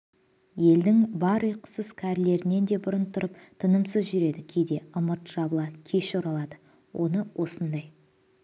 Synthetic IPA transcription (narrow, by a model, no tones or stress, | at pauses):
je̞ld̪ɪŋbɑɾəjqʰʊ̥səskʲʰæɾle̞ɾɪne̞nd̪e̞bʊɾənt̪ʰʊɾəpt̪ʰənəmsəzʒʏɾe̞d̪ɪkʲʰe̞jd̪e̞əmət̪ʒ̥ɑblˠɑkʲʰe̞ʃoɾɑlˠɑd̪ə | wʔo̞̰nəwʔo̞sənd̪ɑj